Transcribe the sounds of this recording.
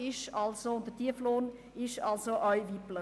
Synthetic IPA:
ɪʃɑlsoʊntdətiəfloːn | ɪʃɑlsoʔœɥviplə

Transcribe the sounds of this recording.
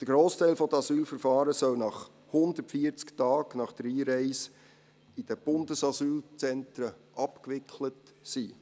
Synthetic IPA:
d̥əɾɡɾoːstʰæɪlfɔd̪əɑsyːlfəɾfɑːɾəsœlnɑχ | hʊnd̪ətfiːəɾt͡sktɑːɡ̥nɑχd̥əɾiːɾɛɪs | id̥əb̥ʊndəsɑsyːlt͡sɛntɾəʔɑpkʋɪkʰlət | siː

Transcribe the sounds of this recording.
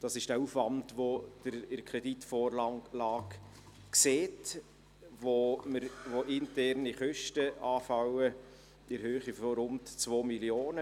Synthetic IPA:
d̥ɑsɪʃd̥æufvɑndvod̥əɾɪɾkʰɾɛditfɔːrlɑlɑːk | kseːt | ʋoməɾʋoʔɪntɛrniχœʃtəɑːfɑwə | ɪɾɦøːχifɔɾʊntt͡sʋoːmiljoːnə

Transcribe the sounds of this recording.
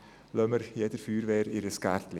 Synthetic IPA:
lœməɾheːt̪əɾfyːɾʋeːɾiɾəskæɾt̪lɪ

